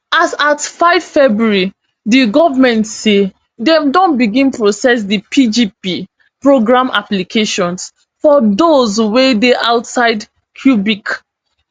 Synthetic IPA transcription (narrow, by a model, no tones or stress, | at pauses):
asatfaɪvfɛbɹuɹi | diɡɔvamɛ̃ntse | dɛ̃mdõnbiɡĩnpɹosɛs̬dipʰid͡ʒipi | pɹoɡɹãmʔa̰plikʰeʃɔ̃ns | fɔdozwedeʔaʊtsaɪd | kʰjubik